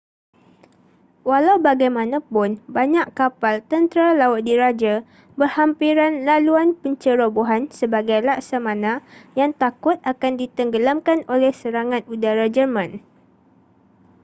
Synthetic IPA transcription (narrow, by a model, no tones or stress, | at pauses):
walawbaɡajmãnãpʊnbaɲãʔkapalt̪ənt̪ɾalaʊt̪̚diɾad͡ʒa | bərhampiɾanlaluanpəɲt͡ʃəɾoboɦansəbaɡajlaʔsamãnãjaŋt̪akʊt̪̚akandit̪əŋɡəlamkanolɛhsəɾaŋãt̪̚udaɾad͡ʒərmãn